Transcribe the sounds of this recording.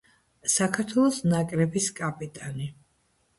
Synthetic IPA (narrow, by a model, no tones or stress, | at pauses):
sakʰaɾt̪ʰwɛlˠɔsnakʼɾɛbiskʼapʼit̪ʼani